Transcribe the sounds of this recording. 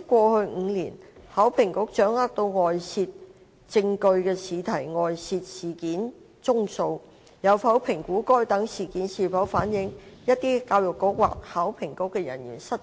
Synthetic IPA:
kʷɔː˧hɵ˧ɥŋ̩˨˧lḭː˨˩nhaː˨˥wpʰɪ˨˩ŋkʊ˨˥k̚t͡ʃœː˨˥ŋaː˥t̚t̪o˧wŋɔː˨jsiː˧t̚ | t͡sɪ˧ŋkɵ˧ɥkɛː˧siː˨˧t̪ʰɐ˨˩jŋɔː˨jsiː˧t̚siː˨˩kiː˨˥n | t͡sʊ˥ŋso˧w | jɐ˨˧wfɐ˨˥wpʰɪ˨˩ŋkuː˨˥kɔː˥jt̪ɐ˨˥ŋsiː˨˩kiː˨˥nsiː˨˩fɐ˨˥wfaː˨˥njɪ˨˥ŋjɐ˥t̪iː˥kaː˧wjʊ˨kːʊ˨˥k̚wa̰ː˨k̚haː˨˥wpʰɪ˨˩ŋkʊ˨˥kːɛ˧jɐ̰˨˩nɥy̰ː˨˩nsɐ˥t̚

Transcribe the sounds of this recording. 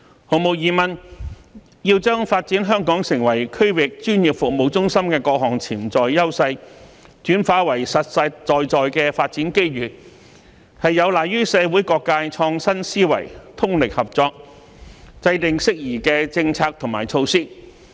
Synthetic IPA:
ho˨mo˨w̚jiː˨mɐ˨n | jiː˧wt͡ʃœː˥ŋfaː˧t̚t͡siː˨˥nɦœː˥ŋkɔː˨˥ŋsɪ˨˩ŋwɐ˨˩jkʰɵ˥ɥwɪ˨k̚t͡ʃyː˥nji˨˩p̚fʊ˨k̚mo˨wt͡sʊ˥ŋsɐ˥mkɛː˧kɔː˧k̚ɦɔː˨˩ŋt͡sʰiː˨˩mt͡sɔː˨jjɐ˥wsɐ˧jt͡ʃyː˨˥nfaː˨˥wɐ˨˩jsɐ˨t̚sɐ˧jt͡sɔː˨jt͡sɔː˨jkɛː˧faː˧t̚t͡siː˨˥nke˥jɥyː˨˩ | hɐ˨jːɐ˨˧wlaː˨˩jɥyː˥sɛː˨˧wuː˨˥jkɔː˧kːaː˧jt͡sʰɔː˧ŋsɐ˥nsiː˥wɐ̰˨˩jt̪ʰʊ˥ŋlɪ˨k̚hɐ˨p̚t͡sɔː˧k̚ | t͡sɐ˧jt̪ɪ˨ŋsɪ˥k̚jiː˨˩kɛː˧t͡sɪ˧ŋt͡sʰaː˧k̚t̪ʰʊ˨˩ŋmaː˨˩jt͡sʰo˧wsiː˥

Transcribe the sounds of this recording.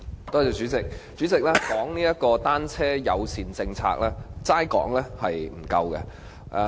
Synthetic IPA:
t̪ɔː˥t͡sɛː˨˧t͡ʃyː˨˥t͡sɪ˨k̚t͡syː˨˥t͡sɪ˨k̚lɛː˥kɔː˨˥ŋniː˥jɐ˥t̚kɔː˧t̪aː˥nt͡sʰɛː˥jɐ̰˨˧wsiː˨˩nt͡sɪ˧ŋt͡sʰa̰ː˧k̚lɛː˥t͡saː˥jkɔ̰ː˨˥ŋlɛː˥hɐ˨jm̩˨˩kɐ˧wkɛ̰˧ | ʔ

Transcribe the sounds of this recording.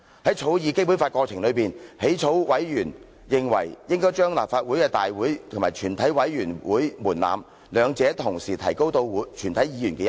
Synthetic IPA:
hɐ˨˥jt͡ʃʰo˨˥wjiː˨˧ke˥jpuː˨˥nfaː˧t̚kɔː˧t͡sʰɪ˨˩ŋlɵ˨˧ɥpiː˨˩nhe˨˥jt͡ʃʰo˨˥wwɐ˨˥jjyː˨˩n | jɪ˨ŋwɐ̰˨˩jjɪ˥ŋkɔː˥jt͡ʃœː˥ŋlaː˨p̚faː˧t̚wuː˨˥jkɛː˧t̪aː˨jwuː˨˥jt̪ʰmaː˨˩jt͡ʃʰyː˨˩nt̪ʰɐ˨˥jwɐ˨˥jjyː˨˩nwuː˨˥jmuː˨˩nla̰ː˨m | lœː˨˧ŋt͡sɛː˨˧t̪ʰʊ˨˩ŋsiː˨˩t̪ʰɐ˨˩jko˥wt̪o˧wːt͡ʃʰyː˨˩nt̪ʰɐ˨˥jiː˨˧jyː˨˩nkɛː˧j

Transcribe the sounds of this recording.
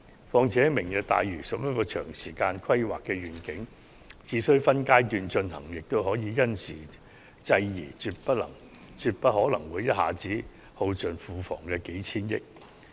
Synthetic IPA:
fɔː˧ŋt͡sʰɛː˨˥mɪ˨˩ŋjɐ˨˧t̚t̪a̰ː˨jɥyː˨˩sɐ˨˥p̚jɐ˥kːɔː˧t͡ʃʰœ̰ː˨˩ŋsiː˨˩kaː˧nkʰɐ˥jwa̰ː˨kːɛː˧ɥyː˨˩nkɪ˨˥ŋ | t͡siː˨˥sɵ˥ɥfɐ˥nkaː˥jt̪yː˨˧nt͡ʃɵ˧nhɐ̰˨˩ŋjɪ˨k̚t̪o˥wɦɔː˨˥jiː˨˧jɐ˥nsḭː˨˩ | t͡sɐ˧jjiː˨˩t͡syː˧t̚pɐ˥t̚lɐ̰˨˩ŋ | t͡syː˧t̚pɐ˥t̚ɦɔː˨˥lɐ˨˩ŋwuː˨˧jɐ˥t̚ha̰ː˨˥t͡siː˨˥ | ho˧wt͡sɵ˨nfuː˨˧fɔ̰ː˨˩ŋkɛː˧ke˨˥jt͡sʰiː˥njɪ̰˥k̚

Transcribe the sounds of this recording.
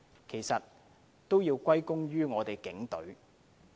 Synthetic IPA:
kʰe˨˩jsɐ˨t̚ | t̪ːo˥wjiː˧wkʷɐ˥jkʊ˥ŋɥyː˥ŋɔː˨˧t̪e˨˩jkɪ˨˥ŋt̪ɵ˨˥ɥ

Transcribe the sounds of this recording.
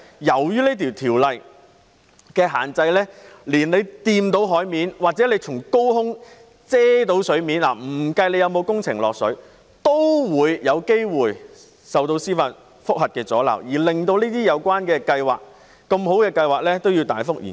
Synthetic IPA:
jɐ˨˩wjyː˥liː˥t̪ʰi˨˩wt̪ʰiː˨˩wlɐ˨j | kɛː˧ɦa̰ː˨˩nt͡sɐ˧jlɛː˥liː˨˩nle˨˧jt̪iː˧mt̪o˨˥wɦɔː˨˥jmiː˨˧nwaː˨˩t͡sɛː˨˥le˨˧jt͡sʰʊ˨˩ŋko˥whʊ˥ŋ | t͡sɛː˥t̪̬o˨˥wsɵ˨˥ɥmiː˨˥nla̰ː˨˩m̩˨˩kɐ˧jle˨˧jɐ˨˧wmo˨˧wkʊ˥ŋt͡sʰɪ˨˩ŋlɔː˨k̚sɵ˨˥ɥ | t̪o˥wwuː˨˧jjɐ˨˧wke˥jwuː˨˩j | sɐ˨wt̪o˧wsiː˥faː˧n | fʊ˥k̚hɐ˨t̚kɛː˧t͡sɔ̰ː˨˥lɐ̰˨˩wjiː˨˩lɪ˨ŋt̪o˧wliː˥t̪iː˥jɐ˨˧wkʷaː˥nkɛː˧kɐ˧jwa̰ː˨k̚ | kɐ˧mɦo˨˥wkɛː˧kɐ˧jwaː˨k̚lɛː˥t̪o˥wjiː˧wt̪aː˨˥jfʊ˥k̚jḭː˨˩

